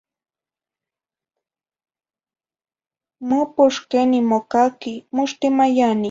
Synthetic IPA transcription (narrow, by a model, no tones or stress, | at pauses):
mʊpʊʃkenɪmokakɪmʊʃt̪ɪmajanɪ